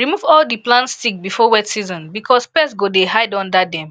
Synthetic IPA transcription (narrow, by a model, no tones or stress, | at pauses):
ɹimuvɔldiplãnstik̚bifɔwɛtsizɔ̃nbikʰɔspɛsɡodeɦaɪdɔ̃ndadɛ̃m